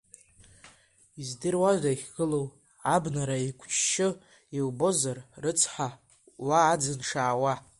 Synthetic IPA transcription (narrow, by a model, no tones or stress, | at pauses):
izdɨrwaʒaχʲɡɨlow | abnaɾaikʷʰt͡ʃʰʃɪ | ilbo̞zarrɨt͡sʰħa | waːd͡zɨnʂaːwa